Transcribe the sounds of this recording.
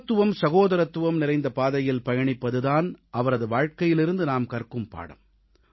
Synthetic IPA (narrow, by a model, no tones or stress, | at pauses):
t̪ːɯʋɐmsɐɣoːðɐɾɐt̪ːɯʋɐmnɪɾɐɪnd̪ɐpaːðɐjɪlpɐjɐɳɪpːɐðɯðaːnʔɐʋɐɾɐðɯʋaːɻkɐjɪlɪɾɯnd̪ɯnaːmkɐrkɯmpa̰ːɽɐ̰m